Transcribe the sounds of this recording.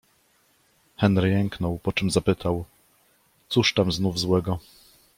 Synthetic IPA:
xɛnɾɘjɛŋknɔwpɔt͡ʂɘmzapɘt̪ʰaw | t̪suʂt̪amznuvzwɛɡɔ

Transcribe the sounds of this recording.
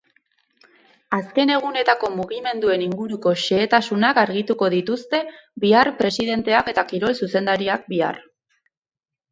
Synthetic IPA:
aske̞ne̞ɣ̞une̞t̪ako̞muɣime̞nd̪ue̞niŋɡuɾuko̞ʃe̞ːt̪asunakaɾɣit̪uko̞ð̞it̪ust̪e̞biarpɾe̞siðe̞nt̪e̞ake̞t̪akiɾo̞lsuse̞nd̪aɾiak̚bia̰r

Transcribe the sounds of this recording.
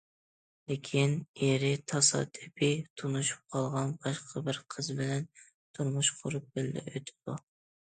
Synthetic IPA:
lekʲʰineɾɪt̪ʰɑsɑ̰t̪ʰɪpʰɪt̪ʰunuʃu̥p̚qʰɑlˠʁɑnbɑʃqʰəbɪɾqʰəzbɪlɛn | t̪ʰuɾmuʃqʰʊɾup̚bɪllɪ̰øt̪ʰɪ̥d̪̥u

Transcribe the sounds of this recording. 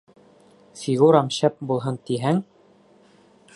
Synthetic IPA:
fiɣuɾɑmɕæp̚bulˠɦɤnt̪iɦæŋ

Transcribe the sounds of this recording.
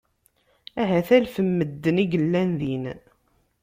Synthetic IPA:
æɦæθælfəmːəd̪ːəniɡəlːænðin

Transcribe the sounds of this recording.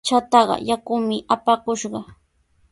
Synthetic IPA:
t͡ʃat̪ɑɢɑ̰jakʊmɪʔapakʊʃɢɑ

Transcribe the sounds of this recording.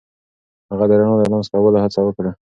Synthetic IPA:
haɣad̪əɾaɳod̪əɾmanzt̪awalahat͡sawəkɽa

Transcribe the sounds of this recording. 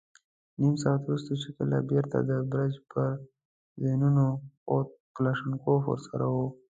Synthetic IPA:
nimsɑːat̪uɾust̪ot͡ʃikəla̰beɾt̪a̰d̪əbɾad͡ʒpəɾ | zenunoot̪̚plaʂənkofo̰ɾsa̰ɾawo

